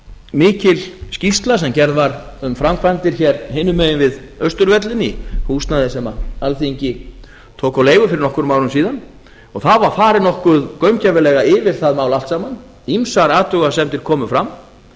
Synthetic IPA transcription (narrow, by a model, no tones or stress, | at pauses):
mɪːcɪlscist̪lasɛmcɛɾðvaɾʏmfɾamkʰvant̪ɪɾ̥çɛɾhɪnːʏmœjɪnvɪðœst̪ʏɾvɛt̪lɪnihuːst̪naðɪsɛmaalθiɲcɪ | t̪ʰoːwkawleːjɣʏfɪɾɪɾnɔhkʏɾʏmaːwɾʏmsiːðan | ɔɣθaðvaɾ̥faːɾɪnɔhkʏðkœɥmcavɪlɛɣaɪvɪɾ̥θaðmaːwlal̥t̪saːman | imsaɾaːt̪ʏɣasɛmt̪ɪɾ̥kʰɔːmʏfɾam